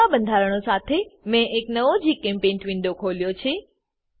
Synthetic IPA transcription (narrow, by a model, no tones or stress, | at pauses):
aɓə̃nd̪ʱaːɾəɽ̃osaːt̪ʰemɛ̃ʔeknɐʋod͡ʑiːkẽːmpẽːnʈʋĩnd̪okʰoːlijot͡ɕʰeː